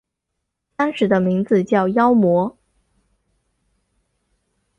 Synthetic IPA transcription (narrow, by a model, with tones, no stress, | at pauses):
t̪ɑ˥ŋʂɻ̩˧˥d̪ə˧mi˧˥ŋd͡zɹ̩˧t͡ɕjɑ˥˩ʊjɑ˥ʊmwɔ˧˥